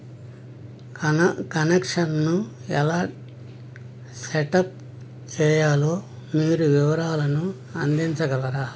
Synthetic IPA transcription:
kɐnekʂɐnnu | ɛlaː | seʈɐp̚ | t͡ʃɛːjaːloː | miːɾuʋiʋɐɾaːlɐnu | ɐnd̪iɲt͡ʃɐɡɐlɐɾaː

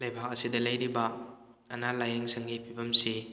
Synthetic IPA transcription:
lɐjbʱak̚ɐsidɐlɐjɾibɐ | ɐnalajeŋsɐŋɡipʰibɐmsi

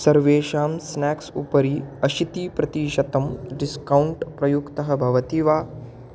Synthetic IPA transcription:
sɐɾʋeːʃaːmsnaːksṵpɐɾiɐʃit̪iːpɾɐt̪iːʃɐt̪ɐmɖiskɐwɳʈpɾɐjukt̪ɐɦɐ̆bʱɐʋɐt̪iʋaː

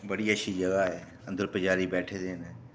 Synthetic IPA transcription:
bəɽiːəʃʰiːd͡ʒəɡaːɦɛː | ə̃nd̪əɾpəd͡ʒaːɾiːbɛːʈʰeːd̪eːne

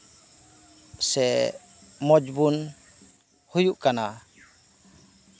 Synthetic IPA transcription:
sɛ | mɔd͡ʒbun | hujuʔkana

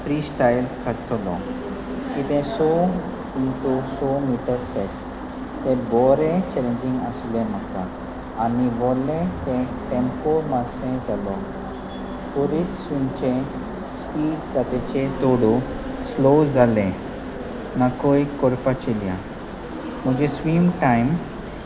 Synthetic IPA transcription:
fɾiːsʈajlkʰat̪ʰlɔ̰̃ | kit̪ɛ̃sɔ | int̪osɔmiʈəɾsɛt̪ | t̪ɛ̃bɔɾẽt͡ɕɛlẽɲd͡ʑĩŋɡəslɛ̃m̤akãː | niʋɔlɛ̃t̪ɛ̃ʈẽmpoɾmasɛ̃d͡zalɔ | pɔɾisːunt͡ɕẽ | spiːɖsat̪et͡ɕet̪ɔɽɔ | slod͡zalɛ̃ | nakojkɔɾpat͡ɕelijã̰ | m̤əɡd͡ʑesʋimʈajm

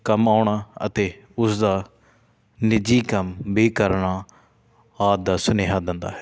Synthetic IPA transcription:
kəmaːʊɳaːə̰t̪eː | ʊsd̪aː | nɪd͡ʒiːkəmbiːkəɾɳaː | aːd̪aːsʊneːɦaːd̪ɪnd̪a̰ːɦɛ

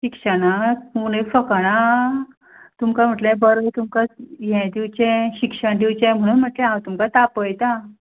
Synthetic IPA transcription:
ɕikʂəɽaunekfəkaɽ̃a | t̪umkam̤əʈlẽbəɾət̪umkajɛ̃d̪iwt͡ɕɛ̃ɕikʂəɳd̪iwt͡ɕɛ̃m̤əɽ̃ũnm̤əʈlẽɦãwt̪umkat̪apəjt̪a

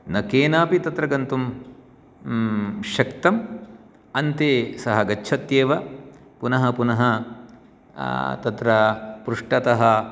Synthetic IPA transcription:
nɐkeːnaːpit̪ɐt̪ɾɐɡɐnt̪um | ʃɐkt̪ɐm | ɐnt̪eːsɐɦɐɡɐːt͡ʃʰɐt̪jeːʋɐ | punɐɦɐpunɐɦɐ | t̪ɐt̪ɾɐpɾuʂʈɐt̪ɐɦɐ̆

